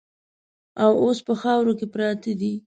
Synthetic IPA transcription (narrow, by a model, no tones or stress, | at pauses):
awospəxɑwɾokepɾɑt̪əd̪i